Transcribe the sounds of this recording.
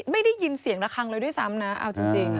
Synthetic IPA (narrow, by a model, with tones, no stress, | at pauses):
ma˥˩jda˥˩jːi˧nsi˨˩˦ŋla˦˥kʰa˧ŋlɤː˧jdu˥˩˨jsa˦˥mna˦˥ʔa̰˧wt͡ɕi˧ŋt͡ɕi˧ŋ˥